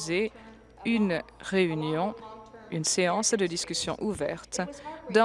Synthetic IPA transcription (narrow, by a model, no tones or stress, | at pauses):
ze | yn | ʁeynjɔ̃ynseɑ̃sd̪əd̪iskʲysjɔ̰̃ʔuvɛ̰ʁt̪d̪ɑ̃